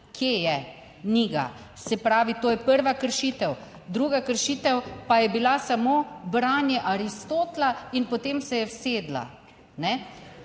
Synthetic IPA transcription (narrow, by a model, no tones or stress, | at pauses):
kʰjejɛ | niːɡa̰ | sɛpɾaːʋit̪oːjɛpəɾʋakəɾʃit̪ɛw | d̪ɾuːɡakəɾʃiːt̪ɛwpajɛbilasamoːbɾaːnjɛʔaɾist̪oːt̪lainpot̪eːmsɛjɛwseːd̪la̰ | nɛ